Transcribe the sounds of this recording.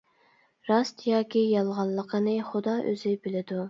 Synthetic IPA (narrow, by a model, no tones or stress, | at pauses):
ɾɑst̪jɑːkʲʰijɑlˠʁɑlˠːəqʰənɨχʊd̪ɑʔø̰zɪbɪlɪd̪u